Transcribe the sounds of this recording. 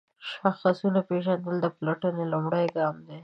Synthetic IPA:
ʃaxasunapeʒand̪əld̪əplaʈənelumɽəjɡɑmd̪e

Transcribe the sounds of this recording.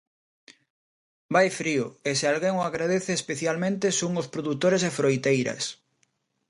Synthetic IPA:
bajfɾiʊesealɣeŋoaɣɾaðeθeːspeθjalmẽnt̪esuŋospɾoðut̪oɾes̬efɾojt̪ejɾɐ̰s

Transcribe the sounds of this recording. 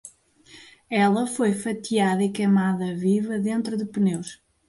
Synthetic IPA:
ɛlˠɐfojfɐt̪iaðɐikɐjmaðɐvivɐðẽnt̪ɾuðɨpɨnewʃ

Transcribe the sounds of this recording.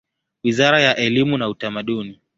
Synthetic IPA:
wizaɾajaʔɛlimunautamaɗuni

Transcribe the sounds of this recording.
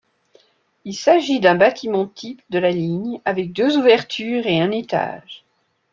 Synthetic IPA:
ilsaʒid̪ɛ̃bat̪ʰimɑ̃t̪ʰipd̪əlaliɲavɛk̚d̪øzuvɛʁt̪ʰyʁeɛ̃net̪a̰ʒ

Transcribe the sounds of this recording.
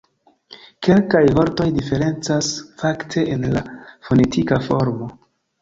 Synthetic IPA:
ke̞lkajvo̞ɾto̞jdife̞ɾe̞nt͡sasfaktʰe̞ʔenla̰fo̞ne̞tʰikafo̞ɾmo̞

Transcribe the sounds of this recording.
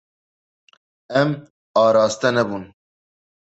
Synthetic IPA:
ɛm | ɑːɾɑːst̪ɛnɛbuːn

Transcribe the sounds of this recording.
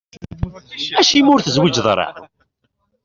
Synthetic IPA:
æʃimʊɾθəzwid͡ʒðˤɾˤɑ̰

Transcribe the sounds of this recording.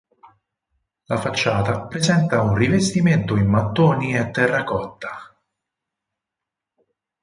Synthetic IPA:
lafat͡ʃːaːt̪apɾezɛnt̪aunrivest̪iment̪oimːat̪ːoːniet̪ːɛrːakɔt̪ːḁ

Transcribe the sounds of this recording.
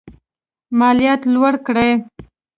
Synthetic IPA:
mɑlijɑt̪lwaɽkɽaj

